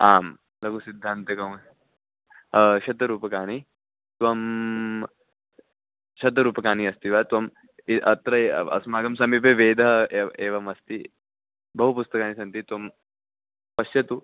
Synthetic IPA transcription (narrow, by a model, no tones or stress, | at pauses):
aːm | lɐɡusid̪ʱːaːnt̪ɐkɐw | ʃɐd̪ɐɾuːpɐkaːni | t̪ʋɐm | ʃɐd̪̬ɐɾuːpɐkaːniɐst̪iʋat̪ʋɐm | iʔɐt̪ɾɐeɐ̰smaːɡɐmsɐmip̬eʋeːd̪ʱɐeːʋɐmɐst̪i | bɐɦupust̪ɐkaːnisɐnt̪it̪ʋɐm | pɐʃjɐt̪u